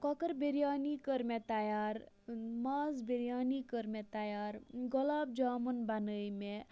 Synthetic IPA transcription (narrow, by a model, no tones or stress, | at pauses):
kɔkəɾbeɾjaːnikəɾmet̪ajaːɾ | mazbeɾjaːnikəɾmet̪ajaːɾɡɔlaːb̚d͡ʒamənbanəjme